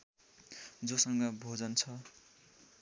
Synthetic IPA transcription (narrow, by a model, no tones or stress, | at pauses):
d͡zosʌŋɡʌbʱod͡zʌnt͡sʰʌ